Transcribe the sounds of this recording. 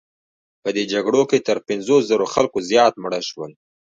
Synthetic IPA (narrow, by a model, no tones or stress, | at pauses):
pəd̪ed͡ʒaɡɽoket̪əɾpɪnzoszəɾoxalkozjɑt̪̚mɽəʃwəl